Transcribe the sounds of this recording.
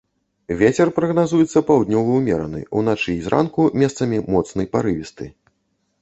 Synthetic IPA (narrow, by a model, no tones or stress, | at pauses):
vʲet͡sʲɛrpɾɐɣnazujɛt̪sːɐpawd̪ʲnʲɔvɐwmʲɛɾɐ̰nɨ̰unat͡ʂɨzɾʔa̰nkumʲɛst̪sɐmʲimɔt̪snɐjpaɾɨvʲist̪ɨ